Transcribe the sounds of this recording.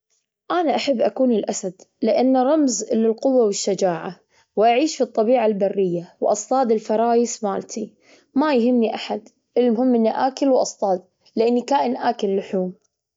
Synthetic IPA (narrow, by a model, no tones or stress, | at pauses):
ʔaːnaʔaħabːʔakuːnɪlʔasad̪lɪʔanːɾˤɑmzlːɪlqʊwːawɪʃːad͡ʒaːʕa | wʔaʕiːʃfit̪ˤːɑbiːʕalbarːɪjːawʔɑsˤt̪ˤɑːd̪ɪlfɑɾˤɑːjɪsmaːlt̪ʰi | majhɪmːiʔaħad̪ | ʔɪlmhʊmːʔɪnːaʔaːkɪlwʔɑ̰sˤt̪ˤɑːd̪ | lɪʔanːikaːʔɪnʔaːkɪlːʊħuːm